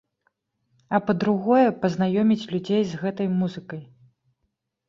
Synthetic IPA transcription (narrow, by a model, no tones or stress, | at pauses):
ɐpɐd̪ɾuɣɔjɛpɐznajɔmʲit͡sʲlʲud͡zʲejzɣɛt̪ɐjmuzɨkɐj